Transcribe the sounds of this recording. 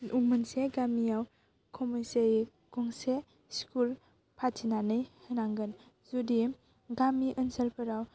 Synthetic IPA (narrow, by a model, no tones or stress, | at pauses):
ʔuŋmɯnseɡamijaw | kʰɔmuseɾi | kuŋse | skul | pʰatʰinanɯjhɯnaŋɡɯn | zudi | ɡamiʔɯnsəlpʰɯɾaw